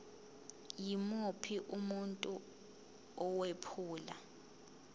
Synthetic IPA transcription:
jimopʰiʔumuntʼu | ɔwepʰuːla

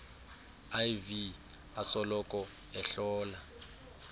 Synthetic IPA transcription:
ajvi | asɔlɔkʼɔ | ɛɬɔːla

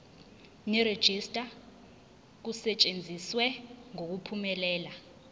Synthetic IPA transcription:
nɛɾed̥ʒ̥ʱistʼa | k̬usɛt͡ʃʼend͡zʱiswɛŋok̬upʰumɛlɛːla

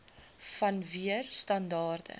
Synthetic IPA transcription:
fɐnviərstɐndɑːrdə̰

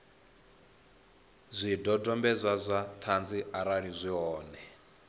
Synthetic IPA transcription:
zʷidɔdɔmbɛzʷazʷat̪ʰand͡ziaɾaɺizʷiɦɔːnɛ

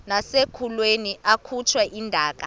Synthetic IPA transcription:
nasekʰulweniʔakʰut͡ʃʰwɛʔindʱaːk̬a

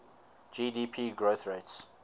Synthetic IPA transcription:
d͡ʒidipʰiːɡɹoθɹets

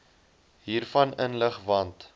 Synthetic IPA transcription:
ɦiːrfɐnənləχvɐnt

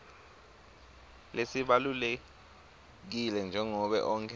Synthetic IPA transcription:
lesiɓalule | k̬ilɛnd͡ʒʱɛŋɔɓɛ̰ʔɔːŋkʰɛ

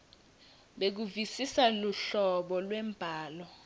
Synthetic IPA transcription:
ɓek̬uvisisaluɬɔɓɔlwɛmbʱaːlɔ

